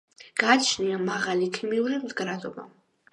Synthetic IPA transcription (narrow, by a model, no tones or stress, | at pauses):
ɡ̥aːt͡ʃʰniamaʁalikʰimiuɾimzɡɾad̪ɔba̰